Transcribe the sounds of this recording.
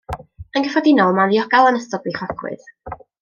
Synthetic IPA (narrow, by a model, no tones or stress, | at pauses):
ənɡəfɔdɪnɔlˠmanðiɔɡalˠanəstɔɡlˠiχɔkʰwɨ̰ð